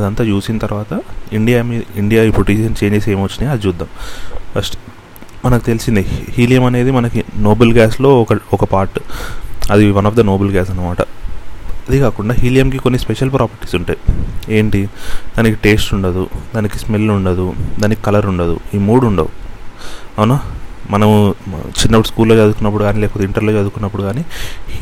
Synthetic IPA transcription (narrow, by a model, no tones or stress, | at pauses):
ɐd̪ɐnt̪aːt͡ʃuːsinɐt̪ɐɾʋaːt̪ɐiɳɖijaːmiiɳɖijaːipɾuʈiːʃɐnt͡ʃe̞ːɲd͡ʒeseːmʋɐt͡ʃːind̪ɐd̪it͡ʃuːd̪ːaːmfɐsʈe̥ | mɐnɐki̥t̪elisind̪ihiːlijɐmɐne̞ːd̪imɐnɐkino̞ːbɐlɡaːslo̞ːɔkɐɔkɐpaːɾʈ | ɐd̪iʋɐnɐːfd̪ɐnoːbɐlɡaːsɐnːɐmaːʈɐ̰ | ɐd̪ikaːkuɳɖaːɦiːlijɐmkiko̞nːispeʂɐlpɾaːpɐɾʈi̥ːsuɳʈaje̞ːɳʈid̪aːnikiʈe̞ːssuɳɖɐd̪ud̪aːnikismelːuɳɖɐd̪ud̪aːnikikɐlɐɾuɳɖɐd̪ṵimuːɽuɳɖɐ̰u | ɐnamɐnɐmut͡ʃinːɐpːɐʈuskuːlːoːt͡ʃɐd̪ukunːɐpːuɽuɡaːniːlɛːpɔːt̪ɐiɳʈɐɾloːt͡ʃɐd̪ukunːɐpːuɽuɡaːni